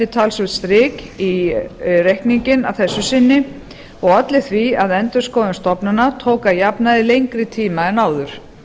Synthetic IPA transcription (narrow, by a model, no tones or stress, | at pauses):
ɪt̪ʰalsʏt̪st̪ɾɪːki | rejhkniɲcɪna̰vθɛsːʏsɪnːɪ | ɔɣat̪lɪθviaðɛnt̪ʏɾ̥skɔːðʏmst̪ɔpnanat̪ʰowkajapnaðɪlejŋkɾɪt̪ʰiːmaɛnaːwðʏɾ̥